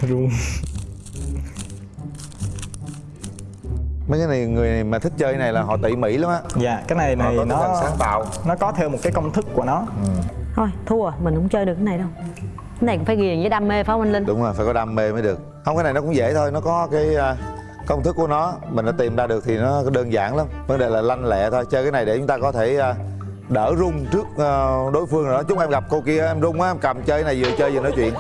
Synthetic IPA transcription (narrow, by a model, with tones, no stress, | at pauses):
zu˧ | mə˨˦kaː˨˦na˨˩jŋɨ˨˩əjna˨˩jmaː˨˩t̪ʰï˦˥k̟̚t͡ɕəː˧jna˨˩jlaː˨˩ɦɔ̰˧˨t̪ḭ˧˨mḭ˧˥la˨˦mʔaː˧˦zaː˨kaː˨˦jna˨˩jn̰˨˧˨a˨˦ssaː˨˦ŋt̪a̰ː˧˨wnɔ˨˦kɔ˨˦t̪ʰɛ˧wmo˨˩t̚kaː˨˦jkə˧wŋ͡mt̪ʰɨ˦˥k̚kːu˧˩ənɔ˨˦t̪ʰo˧jt̪ʰu˧ə˨˩mï˨˩ŋ̟hʊ̰˧˥ŋ͡mt͡ɕəː˧ɗɨ˨˩ək̚ːna˨˩jɗə˧w | ka˨˦jna˨˩jkʊ̰˧˥ŋ͡mfaː˧˦ɣi˨˩ə˩zəː˨˦ɗa˧mːe˧faː˨˦wa˧nli˧ŋɗʊ˨˦ŋ͡mzo˨˩jfaː˧jkɔ˨˦ɗa˧mːe˧məː˨˦jɗɨ˨˩ək̚hə˧ŋ͡mkaː˨˦jna˨˩jnɔ˦kʊ̰˧˦ŋ͡mzḛ˧˥t̪ʰo˧jnɔ˨˦kɔ˨˦kaː˨˦jː | kə˧wŋ͡mt̪ʰɨ˦˥kːu˧˩ənɔ˨˦mi˨˩ŋ̟nɔ˨˦t̪i˨˩mzaː˧ɗɨ˨˩ək̚t̪ʰi˨˩nɔ˨˦ɗəː˧nza̰ː˧˩nla˨˦mvə˦nɗe˨˩laː˨˩la˧jŋ̟lɛ̰˧˨t̪ʰo˧jt͡ɕəː˧kaː˨˦na˨˩jɗe˨˧˩t͡ɕʊ˨˦ŋ͡mt̪aː˧kɔ˨˦t̪ʰe˧˩əː˨˩ | ɗəː˧˩zʊ˧ŋ͡mt͡ɕɨ˦˥ək̚ːɗo˨˦jfɨ˧əŋ˨˩nɔ˨˦t͡ɕʊ˨˦ŋ͡mʔɛ˧mɣa˨˩p̚ko˧wki˧əʔʔɛ˧mzʊ˧ŋ͡mʔaː˦˧mka˨˩mt͡ɕəː˧a˦na˨˩jzɨ̰˨˧˨ət͡ɕəː˧jzɨ˨˩nɔ˨˦jt͡ɕwḭ˧˨ən